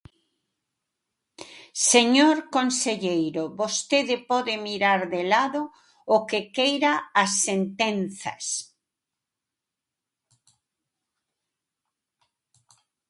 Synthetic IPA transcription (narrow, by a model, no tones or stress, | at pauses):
seɲoɾkonseʎejɾoβost̪eðɪpɔðɪmiɾaɾðelaðoː | kekejɾaːsːent̪enθɐ̰s